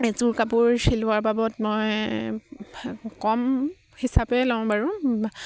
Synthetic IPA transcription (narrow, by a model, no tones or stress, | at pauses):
zuɹkapuɹsilʊaɹbabɔtmɔj | kɔm | hisapɛlaʊ̃baɹʊ̃